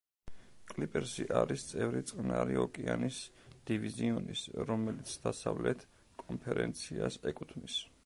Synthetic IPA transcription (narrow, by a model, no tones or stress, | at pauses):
kʼlipʼɛɾsiʔaɾist̪sʼɛvɾit̪sʼqʼnaɾiɔkʼianisd̪̥iviziɔnisɾɔmɛlit̪sʰd̪asavlɛt̪ʰ | kʼɔmpʰɛɾɛnt̪sʰiasɛkʼut̪ʰmis